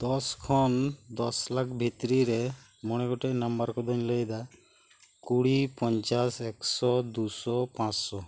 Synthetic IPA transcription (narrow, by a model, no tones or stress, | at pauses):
d̪ɔskʰɔnd̪ɔslakʰbʱit̪ɾiɾɛ | mɔɽ̃ɛɡɔʈeʔnambaɾkɔd̪ʱɔɲləjd̪a | kuɽipɔɲt͡ʃasɛksɔd̪usɔpãt͡ʃsɔ